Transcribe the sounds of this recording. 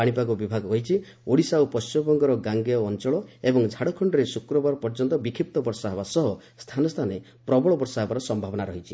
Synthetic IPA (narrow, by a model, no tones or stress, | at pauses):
aɽ̃ipaɡubibʱaɡɔkɔɦit͡ʃʰi | oɽisaopɔst͡ʃimɔbɔŋɡɔɾɔɡaŋɡeɔːnt͡ʃɔɭɔebɔŋd͡ʒʱaɽɔkʰɔɳɖɔɾesukɾɔbaɾɔpɔɾd͡ʒɔnt̪ɔbikʰip̚t̪ɔbɔɾsɔɦebasɔɦɔ | st̪ʰanɔst̪ʰane | pɾɔbɔɭɔbɔɾsaɦebaɾɔsɔmbʱabɔnaɾɔɦit͡ʃʰi